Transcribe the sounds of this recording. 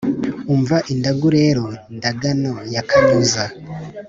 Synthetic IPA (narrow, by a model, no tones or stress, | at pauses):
uɱvaʔindaɡuɾe̞ːɾondaɡanojakʰanuːza